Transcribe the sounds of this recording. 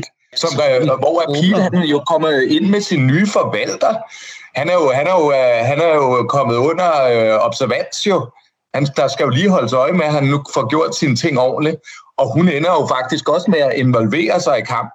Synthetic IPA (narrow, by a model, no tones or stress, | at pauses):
sɒ̽mʋɒæɐpʰiːd̥hænjo̝kʰɒ̽m̰ð̩ˠe̝n̰mesinːyːfɒ̽ʋæl̰d̥ɐhænæɐjo̝ɦænæɐjoɦænæɐjo̝kʰɒ̽mð̞̩ˠɔ̽n̰ɐøɒ̽b̥sæɐʋæn̰sjo̝ | hænd̥ɑ̈sɡ̥æjo̝liːɦɒ̽ləsɒ̽ɪmeɦænːufɒɡ̥jo̝ɐ̰d̥sint͡sʰe̝ŋ̰ɒ̰ːnliɒ̽ɦunenɐjo̝fɑ̈ɡ̥̚d̥isɡ̥ɒ̽smeæʔe̝nʋɒ̽lʋe̝̰ːɐsɑ̈ɪikʰɑ̈m̰b̥̩̚